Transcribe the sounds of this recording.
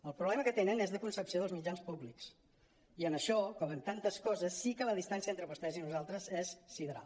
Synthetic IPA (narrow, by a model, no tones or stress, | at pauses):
əlˠpɾuβlɛməkət̪enənɛzðəkunsəpsioðəlˠzmid͡ʒanspubliks | iənəʃɔkɔmənt̪ant̪əskɔzəsːikələðist̪ansiəent̪ɾəβust̪ɛzinuzalˠt̪ɾəzɛssiðəɾa̰l